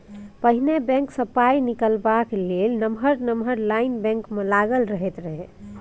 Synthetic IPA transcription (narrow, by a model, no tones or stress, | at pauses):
pəɦinebɛ̃ŋksəpainikəlbaklelnəmɦəɾnəmʱəɾlainbɛ̃ŋkmelaɡəlɾəɦet̪ɾəɦe